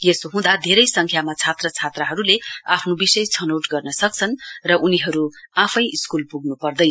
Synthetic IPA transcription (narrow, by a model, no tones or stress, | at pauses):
jesoɦũd̪ad̪ʱeɾʌjsʌŋkʰjamat͡sʰat̪rʌt͡sʰat̪rʌɦʌɾuleapʰnobisʌjt͡sʰʌnowʈɡʌrnʌsʌk̚t͡sʰʌnrʌʔuniɦʌɾuapʰʌjʔiskulpuɡnupʌrd̪ʌj